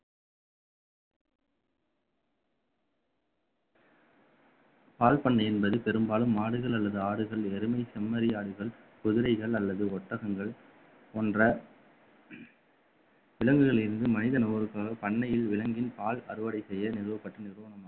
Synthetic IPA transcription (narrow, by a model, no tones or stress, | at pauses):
paːlpɐɳːɐɪɛnbɐðɯpɛɾɯmbaːlɯmːaːɽɯɣɐɭɐlːɐðɯaːɽɯɣɐɭɛɾɯmɐɪsɐmːɐɾɪjaːɽɯɣɐɭ | kʊðɪɾɐɪɣɐɭɐlːɐðɯɔʈːɐɣɐŋɡɐɭ | ɔndrɐ | ʋɪlɐŋɡɯɣɐɭɪɾɯnd̪ɯmɐnɪðɐnɔɾɯkːaːɣɐpɐɳːɐjɪlʋɪlɐŋɡɪnpaːlɐɾɯʋɐɽɐɪsɛjːɐnɪɾɯʋɐpːɐʈːɐnɪɾɯʋɐnɐmaː